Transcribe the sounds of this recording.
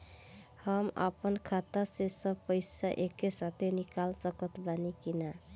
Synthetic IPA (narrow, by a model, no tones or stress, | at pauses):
hʌma̰pənkʰat̪əsesʌpəjsaʔekesat̪ʰenikalsʌkʌt̪banikina